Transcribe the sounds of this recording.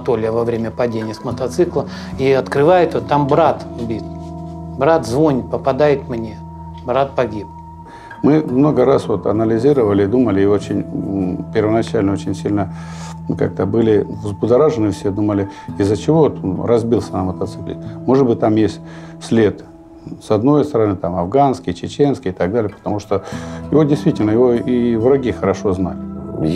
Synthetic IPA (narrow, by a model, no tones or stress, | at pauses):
t̪olʲɪjəvɐvɾʲemʲəpɐdʲenʲɪjəsmət̪ɐt̪sɨklˠə | iɐt̪kɾɨvajɪt̪ot̪ːambɾat̪bʲit̪bɾat̪zvo̞nʲɪt̪̚pəpɐd̪ajɪt̪mnʲe | bɾat̪̚pɐɡʲip̚ | mɨmno̞ɡəɾasvo̞t̪ɐ̰nəlʲɪzʲiɾəvəlʲɪd̪uməlʲɪːo̞t͡ɕɪnʲpʲɪrvənɐt͡ɕælʲnəot͡ɕɪnʲsʲilʲnə | ka̰k̚t̪əbɨlʲɪvzbʊd̪ɐɾaʐɨnɨfsʲed̪uməlʲɪizət͡ɕɪvo̞t̪onrɐzbʲilˠsʲənamːət̪ɐt̪sɨklʲɪ̰tʲmo̞ʐɨd̪̚bɨt̚ʲt̪amjesʲtʲ | sʲlʲe̞t̪ | sɐd̪no̞jst̪əɾɐnɨt̪amɐvɡanskʲɪjt͡ɕɪt͡ɕe̞nskʲɪjɪt̪ɐɡd̪alʲɪjəpə̥t̪ɐmuʂt̪ojɪvo̞dʲɪst̪vʲitʲɪlʲnəjɪvo̞ivɾɐɡʲixəɾɐʂo̞zna̰lʲɪ